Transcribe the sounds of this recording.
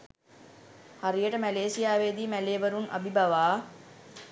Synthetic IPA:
haɾijəʈəmæleːsijaːʋeːd̪iːmæleːbəɾunʔa̰bibaʋaː

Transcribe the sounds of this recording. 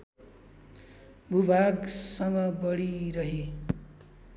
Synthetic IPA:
bʱubʱaɡsʌŋɡʌbʌɽiɾʌɦe

